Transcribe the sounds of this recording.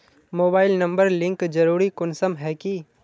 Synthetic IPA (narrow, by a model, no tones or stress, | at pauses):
moːbaːɪlnɐ̃mbəɾlɪ̃ŋkd͡ʒɐɾuːɾikʊnsəmɦɛki